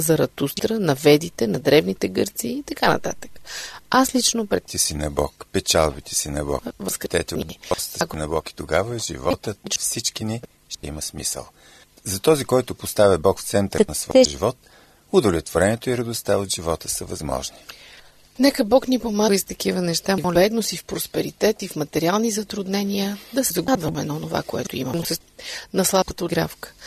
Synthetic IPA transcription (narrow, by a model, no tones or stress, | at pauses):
zɐɾɐt̪ustt̪ɾənɐvɛd̪it̪ɛnɐd̪ɾɛvnit̪ɛɡɤɾt̪siːt̪ɐkanɐ̰t̪a̰t̪ə̥kaslit͡ʃnopɾɛt̪ɛsinɐbɔ̰kpɛt͡ʃalˠbit̪ʰɛ̥sinɐbɔ̰vəskɾɛt̪ɛt̪ɛniiɔst̪knɐbɔki̥t̪oɡavəɛʒḭvɔt̪ət̪fsit͡ʃkini | ʃt̪ɛiməsmḭsə̰lˠ | zɐt̪ɔzikɔjt̪ʊpost̪avʲɐbɔkft̪sɛnt̪ɾnɐsvɔ̰ɛʒivɔt̪ | ʊd̪ovlɛt̪voɾɛnɛt̪oiɾɐd̪ʊst̪aot̪ʒivɔt̪ə̥səvɐzmɔ̰ʒni | nɛkəbɔknipomaist̪ɐk̟ivənɛʃt̪avɔlɛd̪nosifpɾospɛɾit̪ɛt̪ifmɐt̪ɛɾialˠnizɐt̪ɾʊd̪nɛnijəd̪ɐsɛzɐɡd̪vəmɛnɐonova̰koɛ̰t̪ʊḭməmʊsɛ | nɐslˠabət̪əɡɾafkə̥